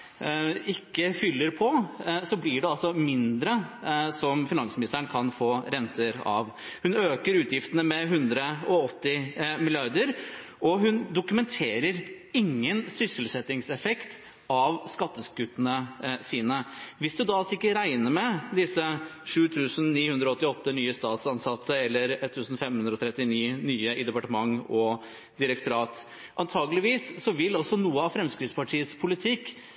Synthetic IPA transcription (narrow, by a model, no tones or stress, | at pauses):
ɪkːəfʏlːəɾpʰɔsɔblɪɖɛɑlsɔmɪnd̪ɾəsɔmfɪnɑŋsmɪnɪst̪əəɳkʰɑnfoːɾɛnt̪ʰəɾɑ̰ʋ | hʉnøːkəɾʉːt̪jɪft̪ənəmɛɦʉnd̪ɾəɔɔt̪ːɪmɪlɪɑɾd̪əɾ | ɔɦʉnd̪ʊkʉmɛnt̪ʰeːɾəɾɪŋːənsʏsɪlsɛt̪ːɪŋsɛfɛkt̪ | ɑʋskɑt̪ːəskʉt̪ːənəsiːnəʋɪsd̪ʉd̪ɑsɪkːəɾæɪnəɾmɛd̪ɪsːəʂʉːt̪ʰʉːsənniːhʉnd̪ɾɔɔt̪ːɪɔt̪ːənyːəst̪ɑːt̪sɑnsɑt̪ːəɛlːəɾɛt̪ʰːʉːsn̩fɛmːhʉnd̪ɾɔt̪ʰɾɛt̪ːɪniːnyːəɪd̪ɛpɑʈəmɑŋːɔ | d̪ɪɾək̚t̪ʊɾɑːt̪ | ʔɑnt̪ʰɑːɡəlɪʋiːsːɔʋɪlɔsɔnuːəɑʋfɾɛmskɾɪt̪spɑʈʰiːəspʰʊlɪt̪ʰɪkː